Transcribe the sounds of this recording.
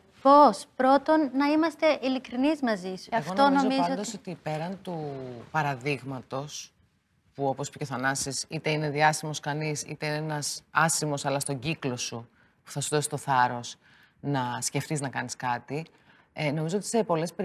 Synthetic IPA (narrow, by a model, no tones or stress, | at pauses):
pospɾo̞t̪o̞nːɐimɐst̪e̞ʔilikɾinizmɐzisuɐefɣont̪oonnozomizɐnood̪osot̪ipe̞ɾɐnt̪upɐɾɐðiɣmɐt̪o̞s | puo̞pospiceoθɐnɐsisit̪e̞ine̞ðiɐsimo̞skɐnisḭt̪e̞inenɐsɐsimo̞sɐlɐst̪o̞ɟiklo̞su | pu̥θɐsuðo̞si̥st̪o̞θɐɾo̞s | nɐsce̞ft̪iznɐkɐniskɐt̪i | eno̞mizoo̞t̪i̥se̞po̞le̞spe